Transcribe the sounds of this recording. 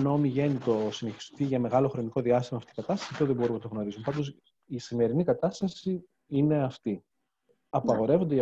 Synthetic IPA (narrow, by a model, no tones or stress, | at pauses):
no̞miʝe̞nit̪o̞sine̞çi̥st̪iʝɐme̞ɣɐlo̞xɾo̞niko̞ðiɐst̪imɐːft̪ikɐt̪ɐst̪ɐ̥siɐft̪oðebo̞ɾumnɐt̪oɣno̞ɾizumpɐnd̪os | isime̞ɾinikɐt̪ɐst̪ɐsi | ine̞ɐft̪i | ɐpɐɣo̞ɾe̞vond̪eɐ